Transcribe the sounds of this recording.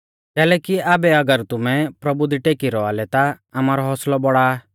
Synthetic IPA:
kɛːlɛːkiaːbɛɐɡəɾt̪ʊmɛ̃pɾɐbud̪iʈeːkiɾɔalɛt̪a | amaːɾɔɦɔslɔbɔɽa

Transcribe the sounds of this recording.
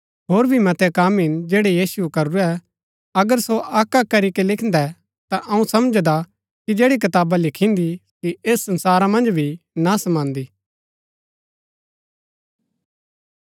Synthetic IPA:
ɦoːɾbʱimɐt̪ɛkaːmɪnd͡ʒɛːɽejiːsukɐɾuɾɛ | ɐɡəɾsoʔaːkːakɐɾikelɪkʰnd̪ɛ | t̪aʔɐ̃ũsɐmd͡ʒd̪a | kid͡ʒeːɽik̬ɐt̪aːbalɪkʰĩnd̪ikieːsːɐ̃nsaːɾamɐ̃nd͡ʒbʱinasɐmãːnd̪iː

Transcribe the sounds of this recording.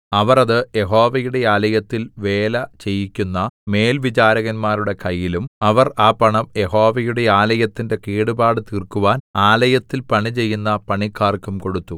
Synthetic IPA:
ɐʋɐrɐðɨje̞ɦo̞ːʋɐjuɽe̞aːlɐjɐt̪ːilʋe̞ːlɐt͡ɕe̞jːikʲːunːɐme̞ːlʋit͡ɕaːɾɐɣɐnmaːɾuɽe̞kɐjːilumɐʋɐraːpɐɳɐmje̞ho̞ːʋɐjuɽe̞aːlɐjɐt̪ːinde̞kiːɽubaːɽɨt̪irkuʋaːnaːlɐjɐt̪ːilpɐɳit͡ɕe̞jːunːɐpɐɳikʰːaːrkːumko̞ɽut̪ːu

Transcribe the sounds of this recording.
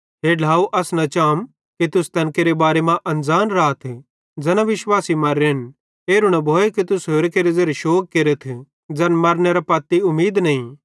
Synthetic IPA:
ɦeːɖʱaːuʔɐsnɐt͡ʃaːm | kit̪ʊst̪ɐnkeɾebaːɾemãʔɐ̃nd͡zaːnɾaːt̪ʰ | d͡zɛnaʋɪʃwaːsimɐɾen | eːɾʊɽɐbʱoːekit̪ʊsɦoːɾkeɾezɐɾʃoːk̚keɾet̪ʰ | d͡zɐnmɐɾneɾapɐːt̪ːiʊmiːd̪nɐĩ

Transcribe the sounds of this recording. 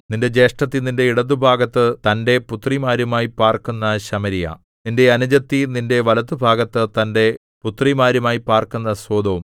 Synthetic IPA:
ninde̞d͡ʑe̞ːʂʈɐt̪ːininde̞iɽɐt̪̬ːubʱaːɡɐt̪ːɨt̪ɐnde̞put̪rimaːɾumaːjipaːrkunːɐɕɐmɐɾija̰ː | ninde̞ɐnud͡ʑɐt̪ːininde̞ʋɐlɐt̪ːubʱaːɡɐt̪ːɨt̪ɐnde̞ | put̪ːrimaːɾumaːjipaːrkunːɐsoːd̪ʱɐʋum

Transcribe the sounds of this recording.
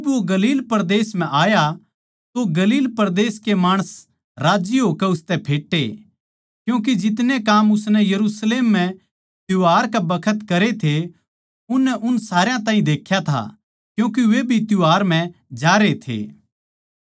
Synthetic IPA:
d͡ʒɪbʋoɡɐliːlpɐɾd̪eːsm̤ɛ̃ʔaːja | t̪oɡɐliːlpɐɾd̪eːskemaːɽ̃əs | ɾaːd͡ʒiɦoːkɛʊst̪ɛpʰeːʈːe | kjũːk̬id͡ʒɪt̪nekaːmʊsnɛjɐɾusleːmːɛ̃ | t̪jʊɦaːɾkabɐkʰət̪kɐɾet̪ʰe | ʊnːɛʔʊnsaːɾɪjãt̪aːɦĩd̪eːkʰːjat̪ʰa̰ | kjũːk̬iʋebʱit̪jʊɦaːɾm̤ɛ̃d͡ʒaːɾet̪ʰḛː

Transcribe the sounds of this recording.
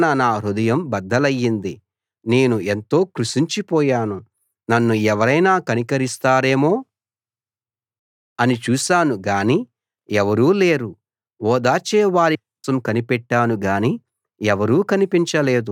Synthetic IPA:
nɐnaːɾud̪ɐjɐmbɐd̪ːɐlɐjːind̪i | ne̞ːnuent̪o̞ːkɾuʃiɲt͡ʃipɔːjaːnu | nɐnːuɛʋɐɾɐjnaːkɐnikɐɾist̪aːɾe̞ːmoː | ɐnit͡ʃuːʃaːnuɡaːniː | ɛʋɐɾuːle̞ːɾu | ɔːd̪aːt͡ʃɛːʋaːɾiɔːsɐmkɐnipɛʈːaːnuɡaːniː | ɛʋɐɾuːkɐnipiɲt͡ʃɐle̞ːd̪u

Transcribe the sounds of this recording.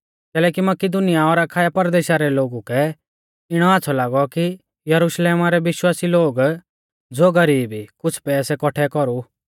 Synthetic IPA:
kɛːlɛːkimɐkɪd̪ʊnijaɔːɾakʰaːjapɐɾd̪eːʃaɾɛloːɡukɛ | ɪɽ̃ɔaːt͡sʰɔlaːɡɔki | jɐɾʊʃleːmaɾɛʋɪʃwaːsiloːɡ | d͡zoːɡɐɾiːbikʊt͡sʰpɛːsɛkɔʈʰɛkɔɾu

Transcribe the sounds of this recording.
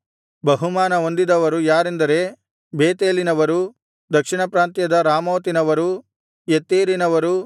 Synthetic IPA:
bɐɦumaːnɐond̪id̪ɐʋɐɾujaːɾend̪ɐɾe̞ː | beːt̪eːlinɐʋɐɾu | d̪ɐkʂiɳɐpɾaːnt̪jɐd̪ɐɾaːmoːt̪inɐʋɐɾu | jet̪ːeːɾinɐʋɐɾu

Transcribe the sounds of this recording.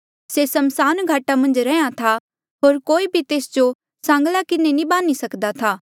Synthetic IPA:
sesɐmsaːnɡʱaːʈamɐ̃nd͡ʒɾɛ̃ːjãt̪ʰa | ɦoːɾkoːibʱit̪eːsd͡ʒo | sãːŋɡlakɪnenĩbaːnisɐkd̪at̪ʰaː

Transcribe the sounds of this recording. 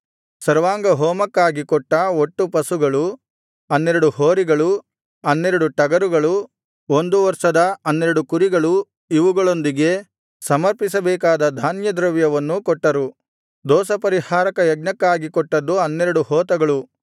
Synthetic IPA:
sɐɾʋaːŋɡɐɦɔːmɐkːaːɡikɔʈːɐoʈːupɐsuɡɐɭu | ɐnːeɾɐɽuhoːɾiɡɐɭu | ɐnːeɾɐɽuʈɐɡɐɾuɡɐɭu | o̞nd̪uʋɐɾʂɐd̪ɐɐnːeɾɐɽukuɾiɡɐɭu | iʋuɡɐɭo̞nd̪iɡe̞ | sɐmɐɾpisɐbɛːkaːd̪ɐd̪ʱaːnjɐd̪ɾɐʋjɐʋɐnːukɔʈːɐɾu | d̪ɔːsɐpɐɾihaːɾɐkɐjɐɡ̚nɐkːaːɡikɔʈːɐd̪ːuɐnːeɾɐɽuhɔːt̪ɐɡɐɭu

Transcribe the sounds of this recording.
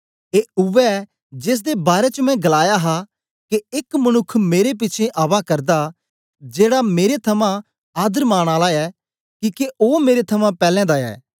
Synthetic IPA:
eːʊʋɛ | d͡ʒeːs̬d̪ebaːɾɛt͡ʃəmɛ̃ɡɐlaːjaɦa | keɪkmɐñʊkʰːmeːɾep̬ɪːt͡ʃʰẽʔaːʋakɐɾd̪a | d͡ʒeːɽameːɾet̪ʰɐmã | aːd̪əɾmaːɽ̃aːlaɛ | kiːkeʔoːmeːɾet̪ʰɐmãpɛːlɛ̃d̪aɛ̰ː

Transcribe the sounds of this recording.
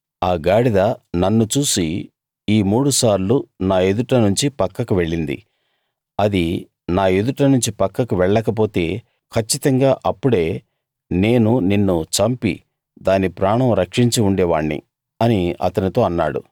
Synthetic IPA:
aːɡaːɽid̪aːnɐnːut͡ʃuːsi | iːmuːɽusaːɾlunaːe̞d̪uʈɐnuɲt͡ʃipɐkːɐkuʋe̞ɭːind̪ḭ | ɐd̪i | naːe̞d̪uʈɐnuɲt͡ʃipɐkːɐkuʋɛɭːɐkɐp̬o̞ːt̪e̞ː | kʰɐt͡ʃːit̪ɐŋɡaːʔɐpːuɽe̞ː | ne̞ːnuninːut͡ʃɐmpḭ | d̪aːnipɾaːɳɐmɾɐkʂiɲt͡ʃiuɳɖɛːʋa̰ːɳːḭ | ɐniɐ̰t̪ɐnit̪o̞ːɐnːa̰ːɽṵ

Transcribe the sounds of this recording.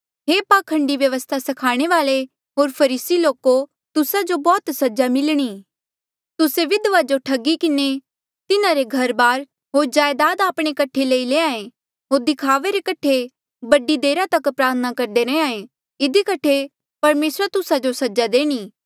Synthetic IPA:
ɦeːpaːkʰːɐ̃ɳɖiʋjɐʋəst̪ʰasɐkʰaːɽ̃eʋaːle | ɦoːɾpʰɐɾiːsiloːko | t̪ʊsad͡ʒobɔːt̪sɐd͡ʒamɪlɽ̃iː | t̪ʊseʋɪd̪ʋad͡ʒoʈʰɐɡikɪne | t̪ɪnãɾeɡʱɐɾbaːɾ | ɦoːɾd͡ʒaːjd̪aːd̪aːpɽ̃ekɐʈʰeleːileːãːẽ | ɦoːɾd̪ɪkʰaːʋeɾekɐʈʰːe | bɐɖid̪eːɾat̪ɐkpɾaːɾt̪ʰənakɐɾd̪eɾɛeãːẽ | ɪd̪ikɐʈʰːe | pɐɾmeːsɾat̪ʊsad͡ʒosɐd͡ʒad̪eːɽ̃iː

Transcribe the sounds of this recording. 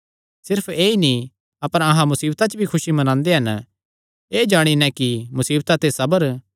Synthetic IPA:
sɪɾpʰeːinĩ | ɐpəɾɐɦãmʊsiːbt̪at͡ʃbʱikʰʊʃimɐnãːnd̪eɦɐn | eːd͡ʒaːɽ̃inɛ̃kimʊsiːbt̪at̪esɐbəɾ

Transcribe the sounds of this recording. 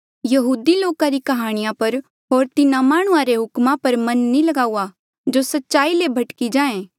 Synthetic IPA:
jɐɦuːd̪iloːkaɾikɐɦaːɽ̃ɪjãpɐɾ | ɦoːɾt̪ɪnãmaːɽ̃ʊãɾeɦʊkmãpɐɾmɐ̃nːilɐɡaːua | d͡ʒosɐtːʃaːilebʱɐʈkid͡ʒãːẽː

